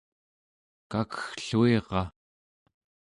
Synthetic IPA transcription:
kakə̥xɬueʁɑ

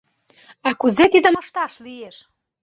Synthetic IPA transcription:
ɑkuzet̪id̪ə̆mə̆ʃt̪ɑʃβijeʃ

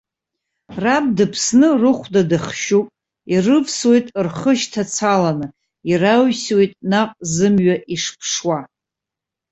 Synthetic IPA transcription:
rab̚dɨpʰsnɨrɨχʷdadɨχʃupʼ | irɨvswe̞jtʼrχəʃtʰat͡sʰalanɨ | iraɥswe̞jtʼnaqʼzɨmɥaʔiʂpʰʂwa

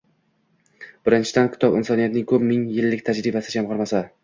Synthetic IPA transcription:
b̥ɪɾɪnt͡ʃʰɪd̪ankʲʰɪ̥t̪ʰɒbɪ̰nsɒnijat̪nɪŋkʰɵpmɪŋjɪlːɪk̚ʲt̪ʰad͡ʒɾɪbasɪd͡ʒamʁɑɾmasa

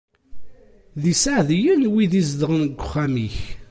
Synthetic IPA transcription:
ðisaʕðjənwiðizd̪əʁənɡʷːʊχːæmiç

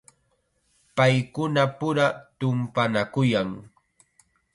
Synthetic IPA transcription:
pajkʊnapʊɾat̪ʊmpanakʊjaŋ

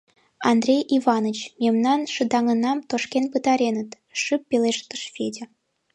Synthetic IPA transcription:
ɑnd̪rʲejʔivɑnət͡ɕmʲemnɑnʃɨd̪ɑŋə̆nɑmt̪oʃkʲenpɨt̪ɑɾʲenə̆t̪ | ʃɨpːelʲeʃt̪əʃfʲedʲĕ

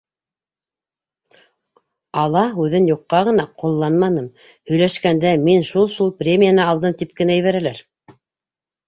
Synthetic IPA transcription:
ɑlˠɑʉðɘnjuqːɑʁɤ̆nɑqulˠːɑnmɑnɤm | hɵ̆jlæʃkænd̪æminʃulˠʃulˠprʲemʲijanɤɑlˠd̪ɤmt̪ip̚kɘ̆næj̆βæɾælæɾ

